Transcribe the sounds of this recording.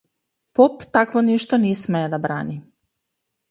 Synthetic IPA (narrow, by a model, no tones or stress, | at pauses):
popt̪akʋoniʃt̪onismeed̪abɾaːni